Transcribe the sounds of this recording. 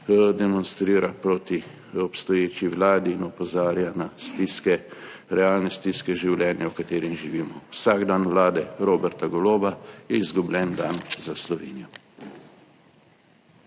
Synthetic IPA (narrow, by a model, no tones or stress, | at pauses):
d̪ɛmɔnst̪ɾiːɾapɾoːt̪i | ɔpst̪ɔjeːt͡ʃiwlaːd̪iːnɔpɔzaːɾjanast̪iskɛ | ɾɛaːlnɛst̪iskɛʒiwlʲɛːnjawkat̪eːɾimʒiʋiːmɔwsaɡd̪anʋlaːd̪ɛɾoːbɛɾt̪aɡɔloːbajɛizɡublʲɛnd̪anzaslɔʋḛːnijɔ